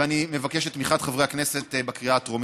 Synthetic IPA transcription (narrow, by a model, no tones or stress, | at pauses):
animevakeʃet̪ːmiχat̪χavʁejhakneset̪bakʁiatʁom